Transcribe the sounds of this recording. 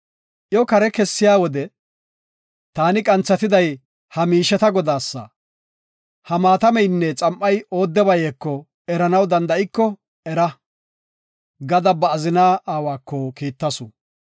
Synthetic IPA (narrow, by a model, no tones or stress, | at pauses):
ʔjɔkɐɾɛkɛsːɪjaːwɔd̪ɛ | t̪aːnɪkʼɐnt͡sːɐt̪ɪd̪ɐj | hɐmiːʃɛt̪ɐɡɔd̪aːsːɐ̰ | hɐmaːt̪ɐmɛjnːɛt͡sʼɐmʔːɐjo̞ːd̪ːɛbɐjekːɔ | ɛɾɐnɐwd̪ɐnd̪ɐɪkːɔ | ɛɾɐ | ɡɐd̪ɐbɐːzɪnaːaːwaːkːɔkiːt̪ːɐsʊ